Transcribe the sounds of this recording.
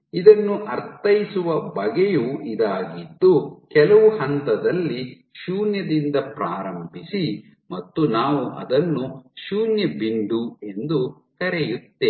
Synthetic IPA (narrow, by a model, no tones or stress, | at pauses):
id̪ɐnːuʔɐɾt̪ɐjisuʋɐbɐɡejuid̪aːɡid̪ːukɛlɐʋuhɐnt̪ɐd̪ɐlːi | ʃuːnjɐd̪ind̪ɐpɾaːɾɐmbʱisi | mɐt̪ːunaːʋuʔɐ̰d̪ɐnːuʃuːnjɐbiɳɖue̞nd̪u | k̪ɐɾɛjut̪ːe